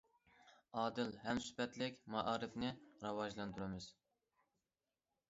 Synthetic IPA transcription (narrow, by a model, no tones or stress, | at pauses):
ɑːd̪ɨlɦɛmsy̥pʰɛt̪lɪkʲmɑʔɑːɾɨfnɪɾɑwɑʒlˠɑnd̪uɾɪmɪz̥